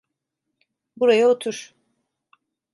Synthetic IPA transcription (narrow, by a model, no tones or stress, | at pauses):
buɾajaot̪ʰuɾ̥